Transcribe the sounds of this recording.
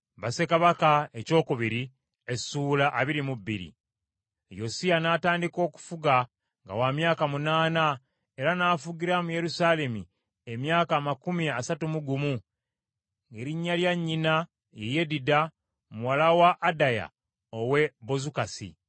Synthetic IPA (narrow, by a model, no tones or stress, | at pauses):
βase̞kaβakae̞co̞ːkuβiɾi | esuːlaʔaβiɾimubːḭɾḭ | jo̞sianaːtaːndiko̞ːku̥fuɡa | ŋɡa̰wamjaːkamunaːna | e̞ɾanaːfuɡiɾamuje̞ɾusaːle̞mḭ | emjaːkamakumiasatumuɡumu | ŋɡe̞ːɾiɲːaljaɲːina | jeje̞dida | muwalawaʔːdaja̰ | owe̞bo̞zukasḭ